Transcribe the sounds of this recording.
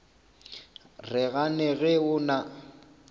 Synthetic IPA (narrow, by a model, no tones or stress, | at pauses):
rɪɣanɛɣɪʊna